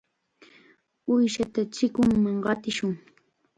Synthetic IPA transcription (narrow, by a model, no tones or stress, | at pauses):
ʊjʃat̪at͡ʃɪkʊŋmaŋɢɑt̪ɪʃʊŋ